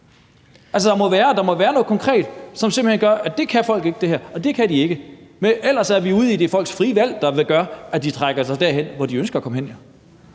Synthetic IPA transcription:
ʔælsəd̥ɑ̈mɒ̽ʋæːɐd̥ɑ̈mɒ̽ʋæːɐnɔ̽ðˠkʰɒŋkʰʁɛ̰ːd̥sɒ̽mse̝mb̥l̩henɡ̥ɶɐʔæd̥e̝kʰæfɒ̽l̰ɡ̥e̝ɡ̥əd̥e̝hæɐɒ̽d̥e̝kʰæd̥ie̝ɡ̥əmeʔel̰ɐsæɐʋiuð̰ˠid̥e̝fɒ̽l̰ɡ̥sfʁiːʋæl̰d̥ɑ̈ʋeɡ̥ɶɐæd̥it͡sʰʁaɡ̥ɐsɑ̈ɪd̥æɐ̰ɦen̰ʋɒd̥iønsɡ̥ɐːkʰɒ̽məɦenjæ

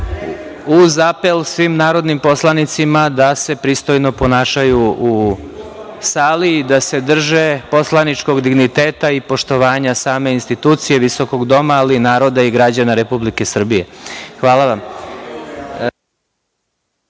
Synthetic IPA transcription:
uzape̞lsʋimnaːɾo̞d̪nimpo̞slˠanit̪simad̪ase̞pɾist̪o̞jno̞po̞naːʃajuu | saːliːd̪ase̞d̪r̩ʒepo̞slˠanit͡ʃko̞ɡd̪iɡnit̪eːt̪aipo̞ʃt̪o̞ʋaːɲasaːme̞inst̪it̪uːt̪sije̞ʋiso̞ko̞ɡd̪o̞maːlinaːɾo̞d̪aiɡɾad͡ʑanaɾepublike̞sr̩bije̞xʋaːlˠaʋam

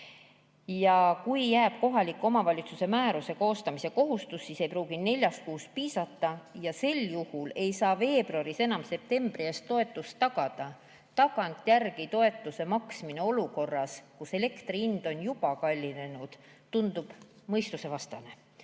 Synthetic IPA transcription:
jɑkujːæːb̥ko̞ɦɑlikːˑo̞mɑvɑlʲit̪suse̞mæːɾuse̞ko̞ːst̪ɑmise̞ko̞ɦust̪usːise̞jpruːɡ̥ine̞lʲjɑs̚kuːspiːsɑt̪ːˑɑjɑse̞ljuhule̞jsɑːve̞ːb̥ruɑɾise̞nɑmse̞p̚t̪e̞mb̥rieːst̪ːo̞e̞t̪ːˑust̪t̪ːɑɡ̥ɑd̪̥ɑ | t̪ɑɡ̥ɑnt̪ˑjærɡ̥it̪o̞e̞t̪ːˑuse̞mɑksmine̞o̞luko̞rːɑskuse̞le̞kt̪riind̪̥o̞njub̥ɑkɑlʲːine̞nud̪̥ | t̪ːund̪̥ub̥ | mɤjst̪use̞vɑst̪ɑne̞

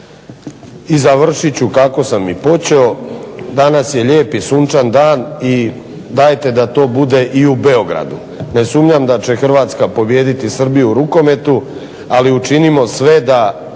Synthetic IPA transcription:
izaʋr̩ʃit͡ɕukako̞samːipo̞t͡ɕe̞o̞d̪anasje̞ʎe̞ːpisuːnt͡ʃand̪aːni | d̪ajt̪e̞d̪at̪o̞ːbud̪e̞ʔiube̞o̞ɡɾa̰d̪u | ne̞sumɲamd̪at͡ɕe̞xr̩ʋaːt̪skapo̞bje̞ːd̪it̪isr̩bijuːɾuko̞me̞t̪u | aliut͡ʃinimo̞sʋe̞d̪a

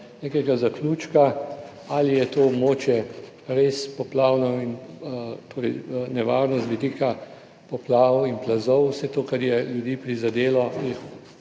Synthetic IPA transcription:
nekɛɡazakluːt͡ʃka | alijɛt̪oːɔbmoːt͡ʃjɛ | ɾespɔplaːwnɔint̪oːɾɛjnɛʋa̰ːɾnɔst̪ʋid̪iːka | pɔplaːwinplazɔwsɛt̪oːkaɾjɛljud̪iːpɾizad̪eːlɔjix

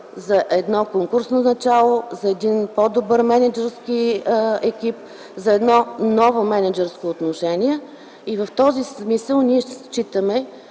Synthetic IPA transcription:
zɐʔɛd̪nɔkoŋkʊɾsnonɐt͡ʃalˠozɐɛd̪inpɔd̪obɤɾmɛnɛd͡ʒɛɾskiɛkip̚ | zɐɛd̪nɔnɔvomɛnɛd͡ʒɛɾskoːt̪noʃɛniɛ | ivəft̪ɔzismisəlˠniɛt͡ʃit̪əmɛ

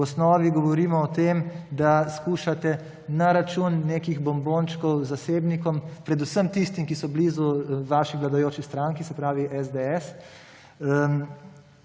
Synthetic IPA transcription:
ɔsnɔːʋiɡɔʋɔɾiːmɔːt̪eːmd̪askuːʃat̪ɛ | naɾat͡ʃuːnːeːkiɣbɔmboːnt͡ʃkɔwzaseːbnikɔmpɾɛd̪usəmt̪ist̪imkisɔbliːzuʋaʃiʋlad̪ajoːt͡ʃist̪ɾaŋkisɛpɾaːʋiʔɛzd̪eɛs

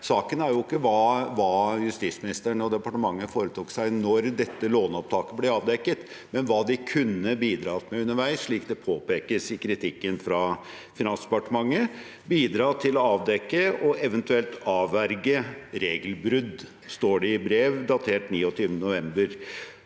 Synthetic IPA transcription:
sɑːkənæɾjʊɪkːəʋɑːʋɑːjʉst̪iːt̪smɪnɪst̪əɳɔd̪ɛpɑʈəmɑŋːəfoːɾət̪ʰuːksæɪnɔɾd̪ɛt̪ːəloːnɔp̚t̪ʰɑːkəblɛɑːʋd̪ɛkːət̪mɛnʋɑːd̪ɪkʰʉnːəbiːd̪ɾɑːt̪mɛʉnːəɾʋæɪsʂɭiːkd̪ɛpʰoːpeːkəsɪkɾɪt̪ʰɪkːənfɾɑ | fɪnɑnsd̪ɛpɑʈəmɑŋːə | biːd̪ɾɑːt̪ʰɪlɔɑːʋd̪ɛkːəɔɛʋənt̪ʉɛlt̪ɑːʋæɾɡəɾeːɡəlbɾʏd̪ | st̪oːɖɛɪbɾeːʋd̪ɑt̪ʰeːʈniːɔt̪ʰyːʋənənʊʋɛmbəɾ

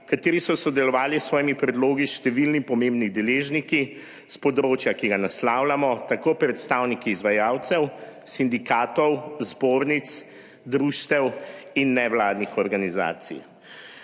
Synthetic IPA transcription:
kat̪eːɾisɔsɔd̪ɛlɔʋaːlisːʋɔːjimipɾɛd̪loːɡiʃt̪ɛʋilnipɔmẽmbnid̪ɛleːʒniki | spɔd̪ɾoːt͡ʃjakiɡanaslaːwlamɔt̪akoːpɾɛt̪st̪awnikiːzʋajaːwt̪sɛwsind̪ikaːt̪ɔwzboːɾnit̪s | d̪ɾuʃt̪ɛwinːɛʋlaːd̪nixɔɾɡaniza̰ːt̪sḭj

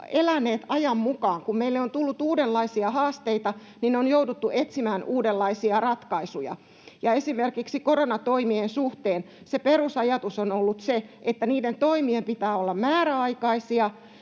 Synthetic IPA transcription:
elænːˑeːt̪ɑjɑmmukɑːŋkummeilːeont̪ulːut̪uːdellɑisiɑhɑːst̪eit̪ɑ | nineonjoudut̪ːuʔet̪simæːnʔuːdelːɑisiɑrɑt̪kɑisujɑ̰ | jɑesimerkiksikoronɑt̪oimiensuht̪eːn | seperusɑjɑt̪usonolːut̪seet̪ːæniːdent̪oimiempit̪æːolːɑmmæːɾæɑikɑisiɑ

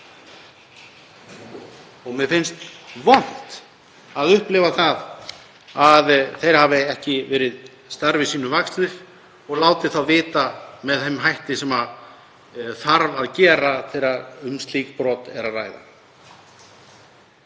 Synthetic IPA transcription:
ɔɣmɛfɪnst̪vɔn̥t̪ | aðʏhplɪvaθað | aðθejɾ̥haːvɪɛhcɪvɛːɾɪð | st̪aɾvɪsiːnʏvakslɪɾ̥ | ɔɣlaːwt̪ɪθawvɪːt̪amɛðɛmɦajht̪ɪsɛma | θaɾvaðcɛːɾaθɛjɾaɾʏmst̪liːkpɾɔt̪ɛ̰ɾara̰ːjða̰

